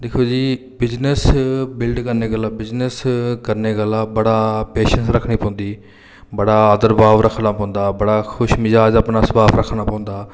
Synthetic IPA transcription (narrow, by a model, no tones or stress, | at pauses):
d̪eːkʰoːd͡ʒiː | bɪznəsbɪlɖkəɾneːɡəlːaːbɪznəskəɾneːɡəlaːbəɽaːpeːʃənsɾəkʰːnĩːpɔ̃ːʊ̃nd̪iː | bəɽaːəd̪əɾbaːʋɾəkʰnãːpɔ̃ːʊ̃nd̪aːbəɽaːkʰʊʃmɪd͡ʒaːd͡ʒaːpnaːsəbaːpʰɾəkʰnaːpɔ̃ːʊ̃nd̪aː